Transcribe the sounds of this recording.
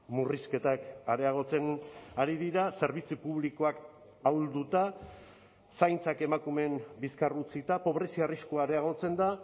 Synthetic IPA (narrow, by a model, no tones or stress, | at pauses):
muriske̞t̪akaɾeaɣ̞o̞t͡se̞naɾiðiɾase̞ɾβ̞it͡sipuβliko̞ak | awld̪ut̪a | sajnt͡sake̞makume̞mbiskarut͡sit̪apo̞βɾe̞siariskoaɾeaɣ̞o̞t͡se̞nd̪a